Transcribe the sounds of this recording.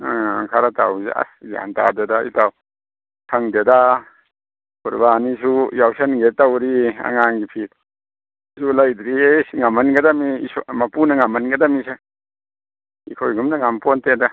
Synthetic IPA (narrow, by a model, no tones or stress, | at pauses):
kʰaɾata̰wzḛa̰sza̰nta̰dedaḭtaw | kʰaŋdeda | buɾbanisujawsɐnɡetawɾia̰ŋaŋɡipʰit̚ | sulajd̪ɾisŋamɐnɡɐdamiismapunɐŋamɐnɡɐdamise | ḭkʰojɡumnaŋampɔnteda